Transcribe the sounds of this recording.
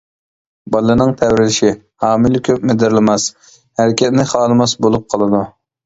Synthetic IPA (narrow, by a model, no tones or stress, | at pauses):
bɑlˠːɨnɨŋt̪ʰɛwɾɪlɪʃi | hɑːmilɪkʲʰøp̚mɪd̪ɪɾlɪmɑs | hæɾkʲɛt̪nɪχɑːlˠɨmɑsbolˠup̚qʰɑlˠɨd̪u